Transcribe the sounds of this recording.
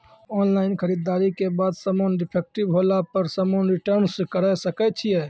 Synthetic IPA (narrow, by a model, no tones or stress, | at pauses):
ɔnlaɪnkʰəɾid̪ːaɾikebad̪səmonɖipʰek̚ʈibɦolapəɾsəmonɾiʈəɾnskəɾəsəkɛt͡ʃʰijɛ